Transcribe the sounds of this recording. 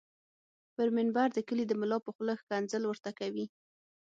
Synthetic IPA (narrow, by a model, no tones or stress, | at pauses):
pəɾmɪnbaɾd̪əkəlid̪əmʊlɑpəxləxkanzəlwəɾt̪akawi